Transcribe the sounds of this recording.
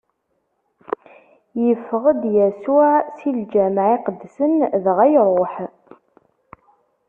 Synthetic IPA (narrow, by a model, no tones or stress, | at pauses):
jəfːəʁəd̪jæsʊʕsild͡ʒæmʕiqəd̪ːsənðʁæjɾˤoħ